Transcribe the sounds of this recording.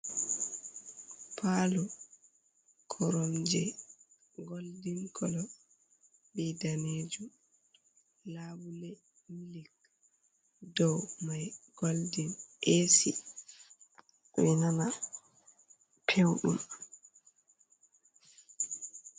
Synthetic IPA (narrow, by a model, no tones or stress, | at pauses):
pʰalu | kʰɔɾɔmd͡ʒɛ | ɡoldinkʰɔlɔ | bɛdaned͡ʒum | labulɛ | milik | dɔwmajɡ̥oldinʔesi | winana | pʰewɗṵm